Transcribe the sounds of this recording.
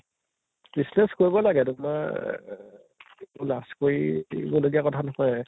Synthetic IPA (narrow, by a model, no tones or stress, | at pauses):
b̥isnɛskoɹibɔlaɡɛduma | ulaskoɹiboloɡijakɔtʰanɔhɔj